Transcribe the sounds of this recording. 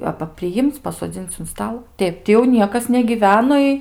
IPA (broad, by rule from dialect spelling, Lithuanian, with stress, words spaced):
ˈɑːbɐ pʲrʲɪˈjɪmʲt͡sʲ pɐsoːˈd͡zʲɪnʲt͡sʲ ʊn ˈstɐlˠ ˈtʲɛɪp tʲɪ jɛʊ ˈnʲiɛkɐs nʲɛɡʲiːˈʋʲæːnoː ɪ